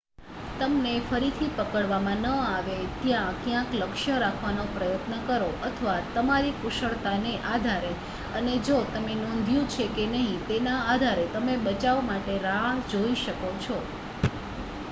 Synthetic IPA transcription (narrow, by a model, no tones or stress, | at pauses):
t̪əmnefəɾit̪ʰipəkəɭʋamãnəaʋet̪jãkjãkləkʃəɾakʰʋanopɾəjət̪nəkəɾoʔət̪ʰəʋat̪əmaɾipuʃəɭt̪aneʔad̪ʱaɾe | əned͡ʒot̪əmenõnd̪ʱjũt͡ʃʰekenəɦĩt̪enaːd̪ʱaɾet̪əmebət͡ʃaʋmaʈeɾaɦd͡ʒoiʃəkot͡ʃʰo